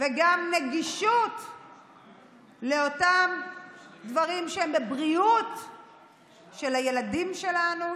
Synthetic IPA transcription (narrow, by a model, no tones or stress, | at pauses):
veɡamneɡiʃut | leotamd̪vaʁimʃeembebʁiut̪ | ʃe̞lhaje̞ladimʃe̞lanu